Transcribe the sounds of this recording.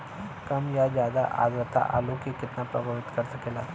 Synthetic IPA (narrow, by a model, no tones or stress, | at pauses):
kɐmjad͡ʒjaːd̪a̰ʔa̰ːd̪ɾət̪ʰa̰ʔa̰ːlokikɪt̪napɾɐbʱəʋɪt̪kəɾsɐkelaː